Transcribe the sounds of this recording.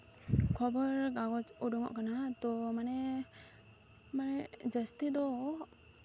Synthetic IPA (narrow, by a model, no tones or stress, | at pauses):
kʰɔbəɾɡaɡɔt͡ʃuɖɔŋɔ̰ʔkanat̪ɔmanɛ | manɛd͡ʒəst̪id̪ɔ